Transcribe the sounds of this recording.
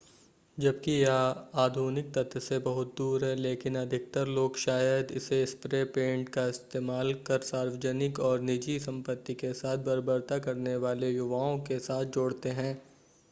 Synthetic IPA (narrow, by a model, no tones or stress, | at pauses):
d͡ʒɐbkijaaːd̪ʱuːnɪk̚t̪ɐt̪ːsebɐɦʊt̪̚d̪uːɾɦɛ̃leːkɪnɐd̪ʱɪk̚t̪əɾloːɡʃaːjəd̪ɪ̰seɪspɾepẽːɳʈkaɪst̪eːmaːlkɐɾsaːɾʋəd͡ʒənɪkɔːɾnɪd͡ʒisɐ̃mpət̪ːikesaːt̪̚ʰbɐɾbəɾt̪akɐɾneʋaːlejʊʋaːõkesaːt̪̚ʰd͡ʒoːɽt̪eɦɛ̃ː